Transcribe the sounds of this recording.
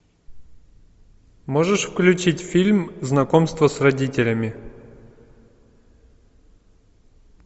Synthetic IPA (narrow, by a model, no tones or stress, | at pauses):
mo̞ʐɨʂfklʲʉt͡ɕitʲfʲilʲmznɐkomst̪vəsrɐdʲitʲɪlʲəmʲɪ